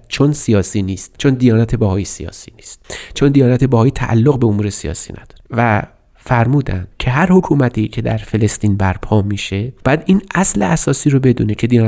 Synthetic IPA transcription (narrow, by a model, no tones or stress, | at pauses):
t͡ʃʰonsijɒːsiːniːst̪̚t͡ʃʰond̪ijɒːnæt̪ʰe̞bæhɒːjesḭjɒ̰ːsḭːniːst̪t͡ʃʰond̪ijɒːnæt̪ʰe̞bæhɒːjit̪ʰæʔæ̰lːoɣbeomuːɾesijɒ̰ːsḭːnʔæ̰d̪̥ɒ̥ɾevæ | fæɾmuːd̪æ̰nd̪̥cʰe̞ɦæɾhokʰuːmæt̪ʰiːcʰe̞d̪æ̰ɾfe̞le̞st̪iːnbæɾpʰɒːmiːʃe̞b̥ɒːjæd̪iːnæsleæsɒːsiːɾobe̞d̪ṵːne̞cʰe̞d̪ijɒː